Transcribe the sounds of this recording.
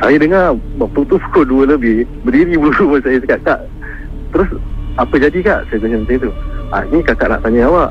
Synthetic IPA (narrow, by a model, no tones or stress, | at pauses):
sajədəŋarbap̚t̪ut̪upu̥koduələbɪhbədiɾibəluməsajəsəkaʔ̚kaʔ | t̪əɾʊsapəd͡ʒadikaʔsajəkuɲəmənt̪eŋt̪ua̰inĩkakaʔna̰ʔt̪aɲaawaʔ